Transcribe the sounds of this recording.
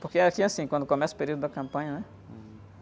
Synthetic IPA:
poɾkeakiasĩkwɐ̃nd̪ʊkõmɛsɐʊ̥peɾiwd̪ʊd̪ɐkɐ̃mpɐ̃ɲɐnɛ

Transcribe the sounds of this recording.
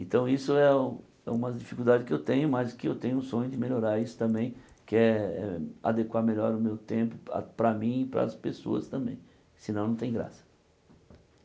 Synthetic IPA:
ẽt̪ɐ̃w̃isʊɛũ | ɛ̰ũmɐzd͡ʒifikuld̪ad͡ʒɪskɪewt̪ẽɲʊmazkɪewt̪ẽɲʊ̃sõɲʊd̪ɪmeʎoɾaɾisʊ̥t̪ɐ̃mbẽj̃ | kɪɛɛ̰a̰d̪ekwaɾmeʎɔɾʊmewt̪ẽpʊa̰pɾɐmĩɪpɾɐ̰speso̰ɐ̰st̪ɐ̃mbḛ̃j̃ | sɪnɐ̃w̃nɐ̃w̃t̪ẽj̃ɡɾa̰sɐ̥

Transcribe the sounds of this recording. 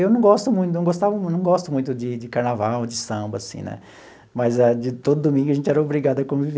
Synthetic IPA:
ewnɐ̃w̃ɡɔst̪ʊmũj̃t̪ʊñw̃ɡost̪avɐmnɐ̃w̃ɡɔst̪ʊmũj̃t̪ʊd͡ʒɪd͡ʒɪkaɾnavawd͡ʒɪsɐ̃mbɐasḭ̃nɛ̰ | mɐzad͡ʒɪt̪od̪ʊd̪omĩŋɡʊɐʒẽnt͡ʃɪɛɾɐobɾiɡad̪ʊɐkõmʊviv

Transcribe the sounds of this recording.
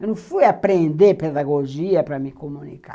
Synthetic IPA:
nũfujapɾẽnd̪eped̪aɡod͡ʒiɐpɾamikomunika̰

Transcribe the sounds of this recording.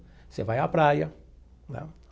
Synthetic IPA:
sḛvajapɾajɐ | nɛ̰

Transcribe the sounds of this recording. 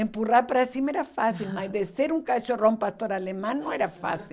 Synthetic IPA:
ẽmpuraɾpaɾasimɛɾafasilmazd̪eseɾũŋkaʃorõmpast̪oɾalemãnõɛɾɐfa̰si

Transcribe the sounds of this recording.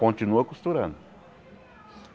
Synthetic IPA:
kont͡ʃ̪inuakust̪uɾan

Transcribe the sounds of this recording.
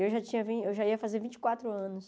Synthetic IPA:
ewʒat͡ʃĩɲɐvĩewʒaiɐfazevĩt͡ʃɪ̥kwat̪ɾʊɐ̃nʊs

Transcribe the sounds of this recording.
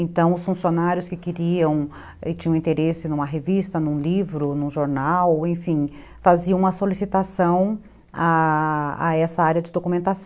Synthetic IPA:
ẽnt̪ɐ̃w̃ʊsfũsionaɾjʊskɪkɪɾiɐ̃w̃ | ɪt͡ʃĩɲɐ̃ĩt̪eɾesɪnũmɐɦevist̪ɐnũlivɾʊnũʒoɾnawẽj̃fĩ | faziɐ̃ũmɐsolisit̪asɐ̃w̃ | a | a̰ɛsɐaɾjɐd͡ʒɪd̪okumẽnt̪asɐ̃

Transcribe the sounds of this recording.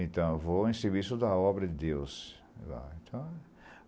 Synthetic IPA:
ẽnt̪ɐ̃w̃voẽseɾvisʊd̪ɐɔbɾɐd̪ɪd̪ews | va̰ẽt̪ʰɐ̃w̃

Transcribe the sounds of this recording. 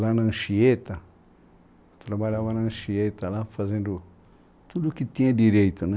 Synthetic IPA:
lanɐ̃ʃiet̪ɐ | t̪ɾabaʎavanɐ̃ʃiet̪ɐlafazẽnd̪ʊ | t̪ud̪ʊkɪt̪ĩɲɐd̪iɾejt̪ʊnɛ̃

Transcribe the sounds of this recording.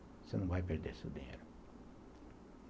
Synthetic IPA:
senɐ̃w̃vajp̬eɾd̪ḛɾsḛd̪ĩɲḛjɾʊ

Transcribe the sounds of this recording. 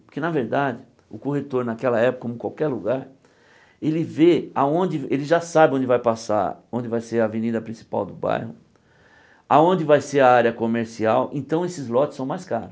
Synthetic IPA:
pʊɾkɪnɐveɾd̪ad͡ʒɪ | ʊkohet̪oɾnakɛlɐɛpʊ̥komʊ̃kwawkɛɾluɡaɾ | elɪveaõnd͡ʒɪelɪʒasabɪõd͡ʒɪvajpasa̰ɾõnd͡ʒɪvajseɾɐvenid̪ɐpɾĩsi̥pa̰wd̪ʊba̰jhʊ | aõndd͡ʒɪvajseɾɐaɾjɐkomeɾsiawẽnt̪ɐ̃w̃esɪzlɔtɪsɐ̃w̃majskaɾʊs

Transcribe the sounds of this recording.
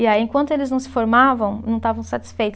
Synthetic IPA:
ɪaiẽŋkwɐ̃nt̪ʊelɪznɐ̃w̃sɪ̥foɾmavɐ̃w̃nɐ̃w̃t̪avɐ̃w̃sat͡ʃ̪i̥sfejt̪ʊ̥

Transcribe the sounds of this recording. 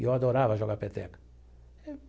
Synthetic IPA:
joad̪oːɾaːʋaʒoɡapet̪ḛk

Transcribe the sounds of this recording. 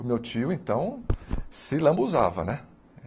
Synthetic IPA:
ʊmewt͡ʃiʊẽt̪ɐ̃w̃sɪlɐ̃buza̰vɐ̰nɛ

